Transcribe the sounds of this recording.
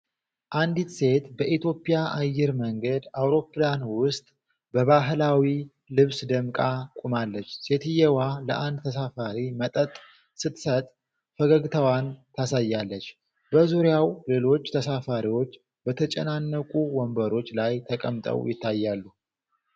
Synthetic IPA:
ʔand̪it̪se̞t̪bəʔit̪ʰjo̞pʼijaʔajːɪɾməŋɡəd̪awɾo̞pːlanwʊst̪ʼ | bəβaɦlawi | lɨβsd̪əmkʼakʼumalːət͡ʃːse̞t̪ɨjɛwaləʔand̪t̪ʰəsafaɾimət̪ʼət̪ʼ | sɨt̪sət̪ʼ | fəɡəɡt̪ʰəwant̪ʰasajːalːət͡ʃː | bəzuɾjawle̞lo̞t͡ʃːt̪ʰəsafaɾiwo̞t͡ʃː | bət̪ʰət͡ʃʼɛ̰nanːəkʼuwɔmbəɾo̞t͡ʃːlajt̪ʰəkʼəmt̪ʼə̰wjɪt̪ʰːajːalːu

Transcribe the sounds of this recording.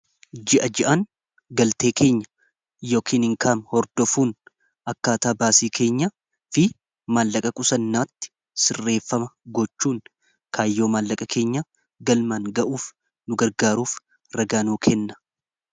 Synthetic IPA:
d͡ʒɪʔɐd͡ʒɪʔɐn | ɡɐlt̪e̞ːke̞ːɲːɐ̥ | jo̞ːkʰiːnɪŋkʰaːnhɔɾd̪ɔfuːn | ʔɐkːaːt̪aːbaːsiːkʰe̞ːɲːɐ | fɪ | maːlːɐkʼɐkʼʊsɐnːaːt̪ːɪ̥ | sɪrːe̞ːfːɐmɐɡɔt͡ʃːuːn | kʰaːjːo̞ːmaːlːɐkʼɐkʰe̞ːɲːɐ | ɡɐlmaŋɡɐʔuːf | nʊɡɐɾɡaːɾuːf | ɾɐɡaːnuːkʰɛnːɐ̥

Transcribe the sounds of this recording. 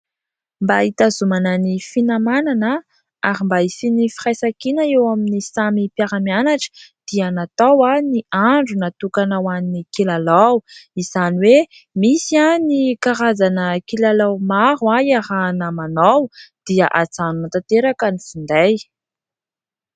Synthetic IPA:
mbait̪azumanənifinamananə | aɾimbaisinifiɾajsakinəewaminisamipjaɾamianaʈ͡ʂə̥d̪̥ianat̪awaniaɳɖ͡ʐunat̪ukanawannikilalawiz̥aniwe | misianikaɾazanəkilalawmaɾuaiaɾanəmanawd̪̥iaʔat͡sanunt̪at̪eɾakanifund̪aj

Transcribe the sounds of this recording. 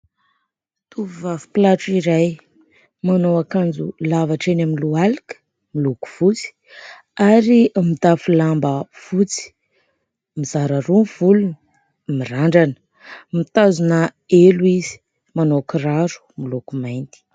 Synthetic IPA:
t̪uvivavu̥plaʈ͡ʂiɾaj | manowakand͡zulavaʈ͡ʂenaminlualikə̥ | miluku̥v̥ut͡si̥ | aɾimid̪afulambəfut͡si̥ | mizaɾaɾunv̥ulunə | miraɳɖ͡ʐanə̥ | mit̪azuna | eluiz̥i̥ | manokiraɾu̥milukumajnt̪i̥

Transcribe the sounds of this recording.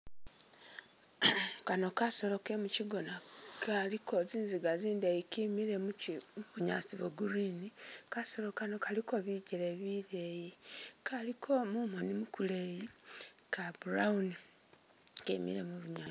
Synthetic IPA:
kano̞kaso̞lo̞kemuciɡo̞nakʰalikʰo̞ziːnziɡaziːndejikimiɾemuuβuɲa̰siβoɡuɾinikaso̞lo̞kano̞kaliko̞βiɟeɾeβiɾejikʰalikʰo̞mumonimukulejikabuɾauni | kḛmḭɾe̞̰muβuɲa

